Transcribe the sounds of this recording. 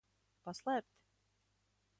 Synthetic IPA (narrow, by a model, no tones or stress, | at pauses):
paslˠæːp̚t̪ʲ